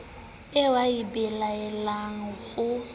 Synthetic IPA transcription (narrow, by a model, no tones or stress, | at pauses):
ɪwaibɛlaɛlaŋ̩ɣʊ